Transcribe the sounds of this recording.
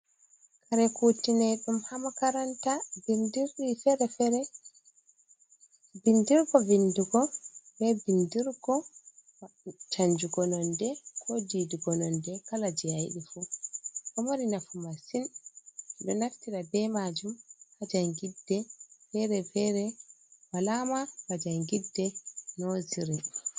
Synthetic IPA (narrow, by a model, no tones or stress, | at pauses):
kʰaɾɛkutinɛɗumhamakaɾantavindiɾɗifɛɾɛfɛɾɛ | bindiɾɡɔvinduɡɔbɛbindiɾɡɔ | t͡ʃaɲd͡ʒuɡɔnɔndɛkʰɔdiduɡɔnɔndɛkalad͡ʒɛajɗifuʔɔmaɾinafumasin | ɗɔnaftiɗabɛmad͡ʒumhad͡ʒaŋɡidːɛfɛɾɛfɛɾɛwalamabad͡ʒaŋɡidːɛnɔziɾi